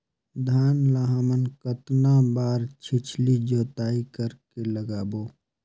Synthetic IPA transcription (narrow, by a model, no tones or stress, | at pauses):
d̪ʱaːnlaːɦaːmənkət̪nabaːɾt͡ʃʰɪt͡ʃʰlid͡ʒoːt̪aːikəɾkeləɡaːboː